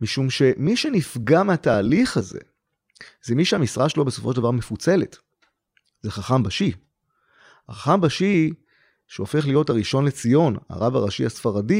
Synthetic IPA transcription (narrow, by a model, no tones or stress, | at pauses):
miʃumʃe̞miʃe̞nifɡameataːliχazḛ | z̥emiʃehamisʁaʃelo̞beso̞foʃeldavaʁmefut͡se̞let | zeχaχambaʃi | aχaχambaʃi | ʃeofe̞χlijo̞thaʁiʃo̞nle̞t͡sijo̞na̰ʁavaʁaʃiasfaʁadi